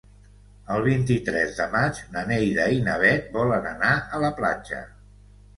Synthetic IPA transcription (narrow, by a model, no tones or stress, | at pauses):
əlˠβ̞int̪it̪ɾɛzðəmad͡ʒnənejðəinəβ̞ɛt̪̚bɔlənənaələpla̰d͡ʒə̰